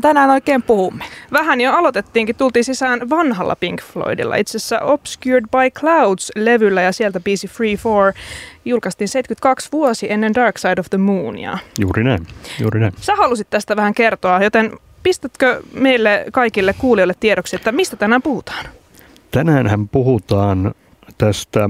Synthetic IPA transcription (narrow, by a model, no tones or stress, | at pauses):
t̪ænæːnoikeːmpuhumːe̥ʋæɦænjoɑlot̪et̪ːiːŋkitt̪ult̪iːnsisæːnʋɑnɦɑ̰lːɑ̰piŋkflo̰idḭlːɑ̰it̪sesːæ̰ʔopskjuɹdbɑjkʰlawd̥sleʋylːæjɑsielt̪æbiːsifriːfoːɹjulkɑst̪iːnsejt̪kyt̪kɑksʋuosiʔenːendɑrksɑjdoʋðəmuːnḭɑ̰juːrinæinjṵːrinæimsæhɑlusit̪t̪æst̪æʋæhæŋke̞rt̪oɑjot̪en | pist̪æt̪køme̞jlːekɑjkilːekːuːliolːet̪tːieɾoksiet̪ːæmist̪æt̪ænæːmpuhut̪ɑ̥ːn | t̪ænæːnhæmpuhut̪ɑːn | t̪æst̪æ